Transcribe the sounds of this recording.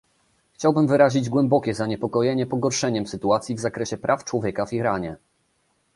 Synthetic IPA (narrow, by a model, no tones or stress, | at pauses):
xt͡ɕawbɘmvɘɾaʑid͡ʑɡwɛmbɔkʲɛzaɲɛpɔkɔjɛɲɛpɔɡɔɾʂɛɲɛmsɘt̪uat̪sʲjivzakɾɛɕɛpɾʔaft͡ʂwɔvʲjɛkaviɾaɲɛ